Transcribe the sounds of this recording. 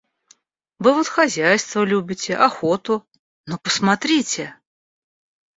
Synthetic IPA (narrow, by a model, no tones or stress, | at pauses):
vɨvot̪xɐzʲæjst̪vəlʲubʲɪtʲɪʔɐxot̪ʊ | nopəsmɐt̪ɾʲitʲɪ